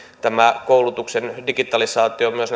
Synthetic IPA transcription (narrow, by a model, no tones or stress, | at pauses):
t̪æmækoulut̪uksendiɡit̪ɑlisɑːt̪ˑiomyøsn